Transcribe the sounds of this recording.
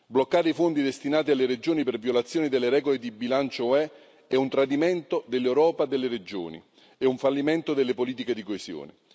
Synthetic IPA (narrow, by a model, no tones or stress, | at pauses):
blokːaːɾeifond̪id̪est̪inaːt̪ialːeɾed͡ʒoːnipervjolat̪sːjoːnid̪elːeɾɛːɡoled̪ibilant͡ʃoɛ | ɛunt̪ɾad̪imɛnt̪od̪elːewɾɔːpad̪elːeɾed͡ʒo̰ːnḭ | euɱfalːimɛnt̪od̪elːepoliːt̪iked̪ikoesjo̰ːne